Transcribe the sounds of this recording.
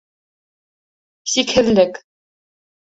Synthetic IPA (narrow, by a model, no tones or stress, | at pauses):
sikhɘ̆ðlɘk